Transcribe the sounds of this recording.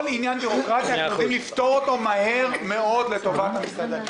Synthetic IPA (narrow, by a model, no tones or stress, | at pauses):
linjanbiʁokʁat̪iauodimlift̪o̞ʁot̪o̞maɦe̞ʁme̞o̞dle̞t̪o̞vat̪hamisladel